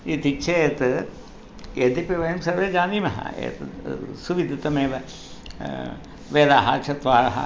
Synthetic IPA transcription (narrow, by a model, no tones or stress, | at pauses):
it̪it͡ʃʰɐeːt̪ɨ | ed̪ipeʋɐjɐmsɐɾʋeːd͡ʒaːniːmɐɦɐ̰ḛːt̪suʋid̪ʱɐt̪ɐmeːʋɐ | ʋeːlaːɦat͡ʃʰɐt̪ʋaːɾɐɦɐ̰